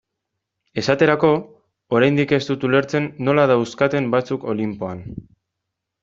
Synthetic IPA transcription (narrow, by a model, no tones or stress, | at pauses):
e̞sat̪e̞ɾako̞ː | ɾajnd̪ike̞st̪ut̪ule̞ɾt͡se̞nːo̞laðawskat̪e̞mbat͡suko̞limpo̞an